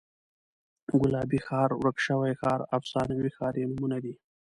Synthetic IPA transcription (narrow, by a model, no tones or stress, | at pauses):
ɡʊlɑːbixɑːɾwɾəkʃəwajxɑːɾa̰fsɑːnawixɑːɾenʊmunad̪i